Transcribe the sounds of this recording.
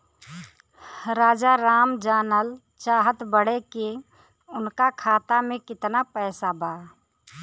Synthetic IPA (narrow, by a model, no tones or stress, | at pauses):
ɾaːd͡ʒaɾaːmd͡ʒaːnəl | t͡ʃaːɦət̪bəɽeke | ʊnkakʰaːt̪amẽkɪt̪napɛːsabʱaː